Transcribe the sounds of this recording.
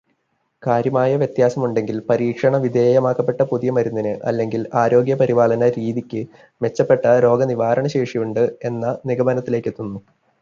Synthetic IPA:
kaːɾjɐmaːjɐʋjet̪jaːsɐmuɳɖe̞ŋɡilpɐɾiːkʂɐɳɐʋid̪eːjɐmaːkːɐpːe̞ʈːɐpuðijɐmɐɾunːinɨʔɐ̰lːe̞ŋɡilaːɾo̞ːɡjɐpɐɾiʋaːɭɐnɐɾiːðikʲːɨ | me̞t͡ɕːɐpːe̞ʈːɐɾo̞ːɡɐniʋaːɾɐɳɐɕe̞ːʂijuɳɖɨe̞nːɐniɡɐbɐnɐt̪ːile̞ːkːet̪ːunːu

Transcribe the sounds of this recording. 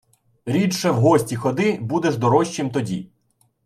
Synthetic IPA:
ɾʲit͡ʃʃɛwɦɔsʲtʲixɔd̪ɪbud̪ɛʒd̪ɔɾɔʃt͡ʃimt̪ɔdʲḭ

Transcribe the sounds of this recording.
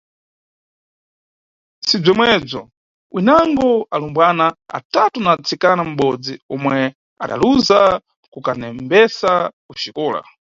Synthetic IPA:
sib͡ʐɔmwɛb͡ʐɔ | wʔinaŋɡɔalumbwanaa̰tatunat͡sʰikanam̩ɓɔd͡ziɔmwɛ | a̰ɗa̰luza | kukanɛmbɛsakut͡ʃikɔːla̰

